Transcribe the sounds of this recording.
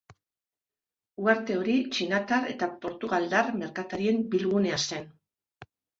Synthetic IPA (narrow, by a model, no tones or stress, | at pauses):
uaɾt̪e̞o̞ɾit͡ʃinat̪aɾe̞̰t̪apo̞ɾt̪uɣald̪aɾme̞ɾkat̪aɾie̞mbilɣune̞ase̞n